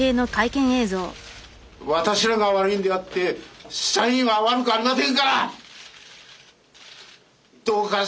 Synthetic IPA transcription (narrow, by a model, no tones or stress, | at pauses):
e̞ːno̞kaikẽ̞ɰ̃e̞ːzo̞ː | βat̪aɕiɾaɡaβaɾɯ̟ĩnd̪eat̪ːe̞ɕsãĩβaβaɾɯkɯaɾinat̪ẽŋkaɾa | d̪̥oːka